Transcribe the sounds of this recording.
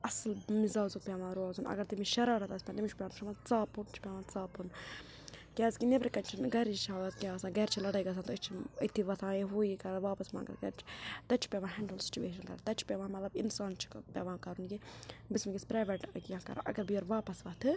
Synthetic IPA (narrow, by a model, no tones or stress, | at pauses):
ɐslmizaːzuk̚pʲjʋãːɾoːzunɐ̰ɡɐɾt̪imiʃɐɾaːɾɐt̪ɐspʲãnt̪imit͡ʃʰpʲjanʃʰɐmat͡saːpunt͡ʃʰi̥pʲaʋãːnt͡saːpun | kʲaːzkinebɾikɐnt͡ʃʰinɡɐɾt͡ʃit͡ʃʰɐaːd̪ɐt̪kʲaːsãːɡɐɾt͡ʃʰilɐɽɐjɡɐsʰaːnt̪oət͡ʃʰiət̪ʰiʋɐt̪ʰãːjeɦuːikɐɾɐʋaːpɐsma̰ːŋɡɐ̰t̪ɡɐ̰ɾt͡ʃʰi̥t̪ɐt͡ʃʰi̥pʲaʋãːɦɛɳɖəlsi̥t͡ʃuʋeːʃ̬ɐnkɐ̰ɾat̪ɐt͡ʃʰi̥pʲɛʋãːmɐt̪lɐbinsaːnt͡ʃʰi̥kpʲaʋãːkɐɾunkibismiɡispɾaːʋeʈkjãːkɐ̰ɾa̰ʔɐ̰ɡɐɾbijoɾʋaːpɐsʋɐt̪ʰɨ